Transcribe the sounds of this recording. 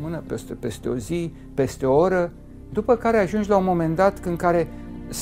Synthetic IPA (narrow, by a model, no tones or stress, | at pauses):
mɨnəpest̪epe̞st̪e̞o̞zi | pe̞st̪eo̞oɾə | d̪upəkaɾe̞aʒund͡ʒlaunmo̞me̞nd̪at̪kɨŋkaɾe̞s